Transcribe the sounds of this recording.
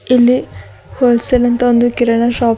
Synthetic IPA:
ilːi | hoːlsɐlɐnt̪ɐond̪ukiɾɐɳɐʃaːp

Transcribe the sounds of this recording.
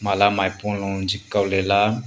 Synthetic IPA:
malamajpũlɔ̃d͡ʒikːawlela

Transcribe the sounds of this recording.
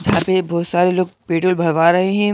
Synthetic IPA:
d͡ʒɐɦãːpebɔːt̪saːɾeloːɡ̚peːʈoːlbʱɐɾʋaːɾɐɦeɦɛ̃

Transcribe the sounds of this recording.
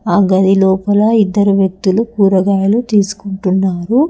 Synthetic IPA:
aːɡɐd̪ilɔːpɐlɐid̪ːɐɾuʋjɐk̚t̪ulukuːɾɐɡaːjɐlut̪iːsu̥kuɳʈunːaːɾu

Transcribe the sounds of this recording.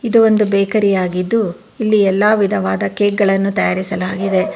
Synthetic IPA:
id̪uo̞nd̪ubɛːkɐɾijaːɡid̪ːu | ilːiɛlːaːʋid̪ʱɐʋaːd̪ɐkeːɡɡɐɭɐnːut̪ɐjaːɾisɐlaːɡid̪e̞

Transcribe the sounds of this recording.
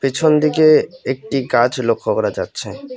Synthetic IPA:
pit͡ɕʰond̪ikeek̚ʈiɡad͡ʑlokʰːokɔɾad͡ʑatːɕʰe

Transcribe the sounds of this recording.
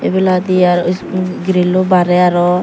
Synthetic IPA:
ebɛlad̪iaɾsɡɾelubaɾɛaɾɔ

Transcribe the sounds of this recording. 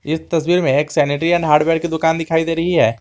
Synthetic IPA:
ɪst̪ɐswiːɾmẽeːksɛːnɪʈɾiɐnɦaːɾɖbɛːɖkid̪ʊkaːnd̪ɪkʰaːid̪eːɾɐɦiɦɛː

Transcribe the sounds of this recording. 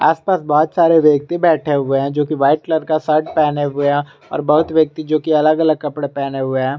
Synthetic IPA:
aːspaːsbɔɦʊt̪saːɾeʋjɐk̚t̪ibɛːʈʰeɦʊeɦɛ̃d͡ʒoːkiʋaːɪʈləɾkasɐɾɖpɛːneɦʊeɦɛ̃ | ɔ̰ːɾbɐɦʊt̪ʋjɐk̚t̪id͡ʒoːkiɐləɡɐləɡ̚kɐpɽepɛːneɦʊeɦɛ̃ː

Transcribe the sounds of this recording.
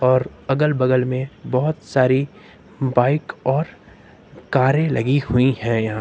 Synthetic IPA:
ɔːɾɐɡəlbɐɡəlmẽbɔɦʊt̪saːɾi | baːɪkɔːɾ | kaːɾẽlɐɡihʊihɛ̃jɐɦã

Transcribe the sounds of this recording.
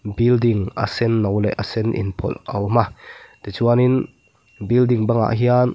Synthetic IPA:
bildiŋʔa̰sɛnːɔwlɛ̰ʔasɛnʔḭnpʰɔ̰lɔwmat̪ɛt͡ʃuanin | bild̪iŋbaŋa̰ʔɦian

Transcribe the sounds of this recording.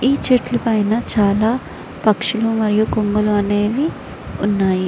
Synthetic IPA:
iːt͡ʃeʈlupɐjnɐt͡ʃaːlaː | pɐkʂulumɐɾijukoŋɡɐluɐne̞ːʋi | unːaːji

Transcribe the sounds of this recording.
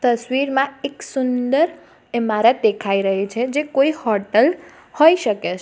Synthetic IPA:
t̪əsʋiɾmãeksʊnd̪əɾ | emaɾed̪ekʰaiɾəɦit͡ʃʰed͡ʒekoihɔɾʈəl | hoiʃəket͡ʃʰ

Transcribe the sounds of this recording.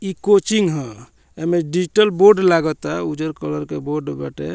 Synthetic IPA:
ikot͡ʃiŋɡɦə̃ | emeɖid͡ʒiʈəlboɾɖlaɡət̪aud͡ʒəɾkələɾkeboɾɖbɛʈḛ

